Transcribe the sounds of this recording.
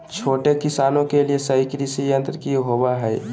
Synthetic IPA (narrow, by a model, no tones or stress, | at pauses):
t͡ʃʰoːʈekɪsaːnõkeliesəɦikɾisijə̃nt̪ɾkiɦoaɦɛː